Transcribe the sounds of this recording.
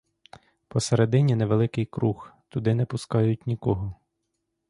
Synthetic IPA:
pɔseɾed̪ɪnʲineʋelˠɪkɪjkɾuxt̪ʊd̪ɪnɛpʊskɑjʊt̚ʲnʲikɔɦɔ

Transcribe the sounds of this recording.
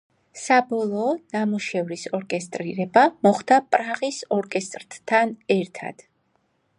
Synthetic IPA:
sabɔlˠɔːnamuʃɛvɾisɔɾkʼɛst̪ʼɾiɾɛbamɔχd̪̥apʼɾaʁisɔɾkʼɛst̪ʼɾt̪t̪ʰanɛɾt̪ʰa̰d̪̥

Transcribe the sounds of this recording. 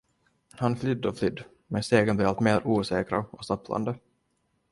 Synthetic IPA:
hanflʏd̪ːɔflʏd̪ː | mɛnst̪eːɡənblɪɾalt̪meːɾuːsɛːkɾaɔsapʰːla̰nd̪ə

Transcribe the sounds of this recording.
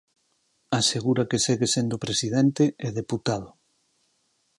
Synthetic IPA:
aseɣuɾakeseɣesend̪opɾesiðent̪eɛðeput̪að̞ʊ

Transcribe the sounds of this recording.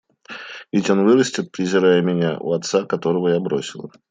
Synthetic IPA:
vʲɪtʲo̞nvɨɾəsʲtʲɪt̪̚pɾʲɪzʲɪɾajəmʲɪnʲaʔṵɐt̪sakɐt̪o̞ɾəvəjabɾosʲɪlˠə̰

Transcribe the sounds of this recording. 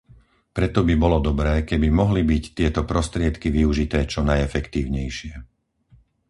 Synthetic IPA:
pɾɛt̪ɔbibɔlɔd̪ɔbɾɛːkɛbimɔɦlibict̪ɪɛt̪ɔpɾɔst̪ɾɪɛt̪kiʋiuʒit̪ɛːt͡ʃɔnajɛfɛkt̪iːʊɲɛjʃɪɛ

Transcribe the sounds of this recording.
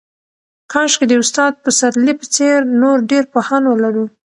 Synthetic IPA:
kʰɑʃked̪əʊst̪ɑd̪̚pəsat̪lipə̥t͡seɾnoɾɖeɾpohɑnwəlaɾu

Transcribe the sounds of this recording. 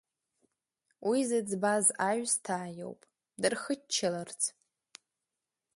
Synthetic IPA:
wʔizɨd͡zbazaɥstʰaːjo̰wpʼ | dɨrχət͡ʃʰːalart͡sʰ

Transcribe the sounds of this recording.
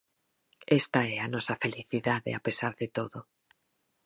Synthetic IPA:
ɛst̪aɛanɔsɐfeliθiðaðḛapesaɾðet̪oðo

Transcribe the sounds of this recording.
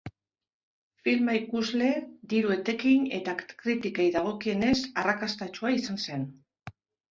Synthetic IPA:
filmaikuzle̞d̪iɾue̞t̪e̞kine̞t̪akɾit̪ikejðaɣ̞o̞kie̞ne̞sarakast̪at͡ʃuaisanse̞n

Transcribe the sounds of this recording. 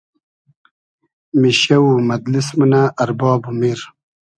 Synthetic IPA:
miɕɐwumɐd̪lismunaʔɐɾbɑːbumiɾ

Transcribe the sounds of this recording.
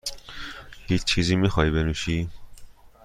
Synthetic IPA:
hit͡ʃt͡ʃʰizimixɔːibenuʃiː

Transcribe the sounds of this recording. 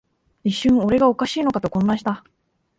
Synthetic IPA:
iɕːɨ̃ɰ̃o̞ɾe̞ɡao̞kaɕiːno̞kat̪o̞kõ̞nːãɕi̥t̪a

